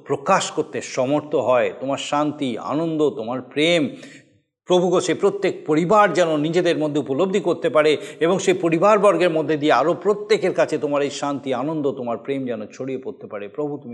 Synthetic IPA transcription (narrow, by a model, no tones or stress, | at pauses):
pɾokaʃkoɾt̪eʃɔmoɾt̪ʰoɦɔet̪omaɾʃant̪ia̰nond̪ot̪omaɾpɾem | pɾobʱuɡoʃepɾot̪ːek̚poɾibaɾd͡ʑɛnonid͡ʑed̪eɾmod̪ʱːeupolobd̪ʱikoɾt̪epaɾeeboŋʃepoɾibaɾbɔɾɡeɾmod̪ʱːed̪ieaɾopɾot̪ːekeɾkat͡ɕʰet̪omaɾejʃant̪ianond̪ot̪omaɾpɾemd͡ʑɛnot͡ɕʰoɽijepoɾt̪epaɾepɾobʱut̪umi